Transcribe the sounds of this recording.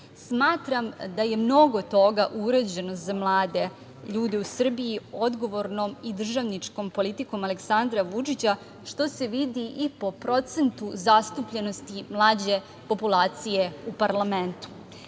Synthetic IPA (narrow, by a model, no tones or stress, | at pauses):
smaːt̪ɾamd̪aje̞mno̞ɡo̞t̪o̞ɡaʔuɾed͡ʑe̞nozamlˠaːd̪e̞ | ʎuːd̪eusr̩bijio̞d̪ɡo̞ʋo̞ɾno̞mid̪r̩ʒaʋnit͡ʂko̞mpo̞lit̪iko̞male̞ksand̪ɾaʋut͡ʂit͡ɕa | ʃt̪o̞se̞ʋid̪iʔipo̞pɾo̞t̪se̞nt̪uzast̪upʎe̞no̞st̪imlˠaːd͡ʑe̞ | po̞pulˠaːt̪sije̞upaɾlame̞nt̪u̥